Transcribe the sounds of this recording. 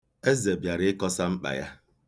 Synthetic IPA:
e˦ze˨bja˨ɾɪ˦ɪ˦kɔ˦sa˦ŋ͡m̩˦k͡pa̰˨ja̰˦

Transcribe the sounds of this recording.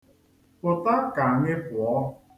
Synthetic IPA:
pʊ˨ta˦ka˨ŋɪ˦pʊ˨ɔ˦

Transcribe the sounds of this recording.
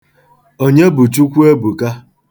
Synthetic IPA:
o˦ɲe˦bu˨t͡ʃu˦kʷu˦e˦bu˨ka˦

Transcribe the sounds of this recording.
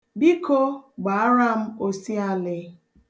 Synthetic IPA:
bi˦ko˦ɡ͡ba˨a˦ɾa˦˨m̩˦o˦si˦a˦lɪ˦

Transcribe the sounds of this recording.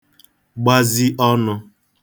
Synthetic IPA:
ɡ͡ba˦zi˦ʔɔ˦nʊ˦

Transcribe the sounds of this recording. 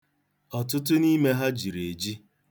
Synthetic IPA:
ɔ˨tʊ˦t̬ʊ˦ni˦me˦ɦa˦d͡ʒi˨ɾe˨d͡ʒi˦

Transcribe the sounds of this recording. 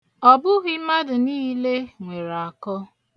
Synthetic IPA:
ɔ˨bʊ˦ɣi˦ma˦dʊ˨niː˦le˦ŋʷe˨ɾa˨kɔ˦

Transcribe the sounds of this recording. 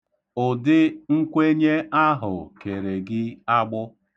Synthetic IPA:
ʊ˨dɪ˦ŋ̩˦kʷe˦ɲe˦a˦ɦʊ˨ke˨ɾe˨ɡɪ˦a˦ɡ͡bʊ˦

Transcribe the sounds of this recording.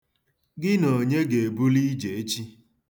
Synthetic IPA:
ɡɪ˦no˨ɲe˦ɡe˨bu˦li˦d͡ʒe˨e˦t͡ʃi˦

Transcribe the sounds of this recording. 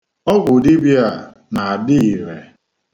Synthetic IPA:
ɔ˦ɡʷʊ˨di˦bja˦˨ | na˨a˨dɪ˦i˨ɾe˨

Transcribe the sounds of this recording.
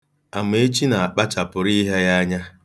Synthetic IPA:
a˨m˦e˨e˦t͡ʃi˦na˨a˨k͡pa˦t͡ʃa˨pʊ˨ɾi˦ɦe˦ja˦ɲa˦

